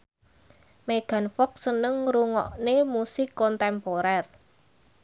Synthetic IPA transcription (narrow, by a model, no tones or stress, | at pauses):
meɡ̥ä̤nfɔk̚sənəŋɾuŋɔ̰ʔnemusɪkːɔnt̪ɛmpoɾɛr